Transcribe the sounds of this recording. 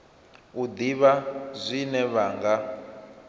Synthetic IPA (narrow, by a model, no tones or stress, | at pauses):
ud̪iβazʷinɛβaːŋɡa